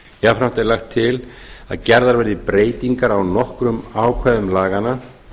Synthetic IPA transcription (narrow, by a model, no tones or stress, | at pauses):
jafɾam̥t̪ɛɾlaxt̪ʰːɪla̰ðcɛɾðaɾvɛɾðɪpɾeːjt̪iŋkaɾawnɔhkɾʏmaːwkʰvɛðʏmlaːɣana